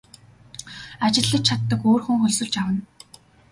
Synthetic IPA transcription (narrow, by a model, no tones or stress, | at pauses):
at͡ɕɪ̆ɮə̆k̚t͡ɕʰat̪ːə̆koːrxŭŋxɵɮsɵ̆ɮt͡ɕawə̆n